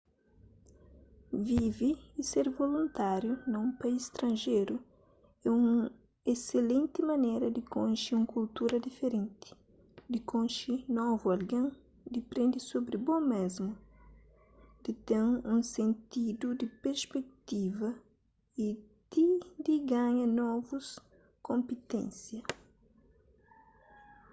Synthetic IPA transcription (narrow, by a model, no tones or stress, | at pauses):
viviːseɾvolũnt̪aɾjunɐ̃ũpaisst̪ɾɐ̃nʒejɾu | ɛũ | eselẽnt̪ɪmɐnejɾɐd̪ɪkõʃiũkult̪uɾɐd̪ifeɾẽnt̪ɪ̥ | d̪ɪkõnʃinɔvuɐlɡẽ | d̪ipɾẽnd̪isobɾibõmezmʊ | d̪̥it̪ẽŋũsẽnt̪id̪ud̪ipeɾspek̚t̪ivɐ | i | d̪̥id̪iɡaɲɐnɔvus | kõmpit̪ḛ̃nsjɐ